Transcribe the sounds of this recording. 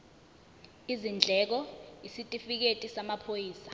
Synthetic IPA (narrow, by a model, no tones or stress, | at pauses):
izind͡ɮʱɛk̬ɔisitʼifik̬etʼisamapʰojiːsḁ